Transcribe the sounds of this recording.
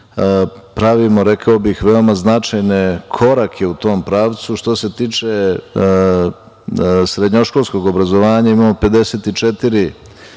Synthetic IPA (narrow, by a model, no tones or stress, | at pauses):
pɾaʋimo̞ɾekʰaobixʋe̞omaznat͡ʃajne̞kʰo̞ɾakʰe̞ut̪o̞ːmpɾaːʋt̪suʃt̪o̞se̞t̪iːt͡ʂe̞ | sɾe̞d̪ɲoʃkolˠsko̞ɡo̞bɾazoʋaːɲaimaːmo̞pe̞d̪e̞set̪it͡ʃet̪iɾi